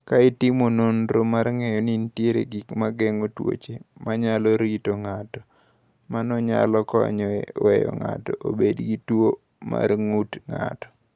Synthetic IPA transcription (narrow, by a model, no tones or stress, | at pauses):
kaɪtimononɾomarŋɛjɔnintjeɾḛɡikmaɡɛŋotwo̰t͡ʃemaɲalɔɾitoŋatɔ̥ | manɔɲa̰lɔkɔ̰ɲɔwɛ̰jɔ̰ŋa̰tɔʔobedɡitwo | ma̰rŋutŋa̰tɔ̥